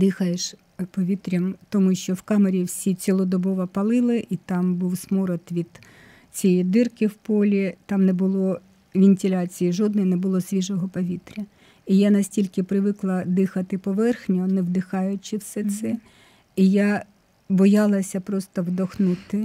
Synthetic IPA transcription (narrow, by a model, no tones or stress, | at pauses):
d̪ɪxɐjeʃ | pɔʋʲit̪ɾʲɐmt̪ɔmuʃt͡ʃɔwkɑmeɾʲiwsʲit͡sʲilˠɔd̪ɔbɔʋɐpɐlˠɪlˠɪʔit̪ɑmbuwsmɔɾɔt̪ʋʲid̪̥ | t͡sʲijid̪ɪrkɪwpɔlʲit̪ɑmnɛbʊlˠɔ | ʋʲɪnʲtʲɪlʲɑt͡sʲijiʒɔd̪nɔjinɛbʊlˠɔsʲʋʲiʒɔɦɔpɔʋʲit̪ɾʲɐ | ijanɐsʲtʲilʲkɪpɾɪʋɪklˠɐd̪ɪxɐt̪ɪpɔʋɛrxnʲɔnɛwd̪ɪxɑjʊt͡ʃɪwsɛt̪sɛ | ijɑ | bɔjɑlˠɐsʲɐpɾɔst̪ɔwd̪ɔxnɪt̪ɪ